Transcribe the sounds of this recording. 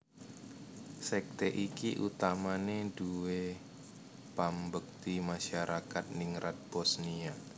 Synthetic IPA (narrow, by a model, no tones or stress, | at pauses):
sɛk̚t̪eʔikiʔṵt̪amaneduwe | pambək̚t̪imaʃaɾʔakat̪̚niŋɾʔat̪̚b̥ɔsnia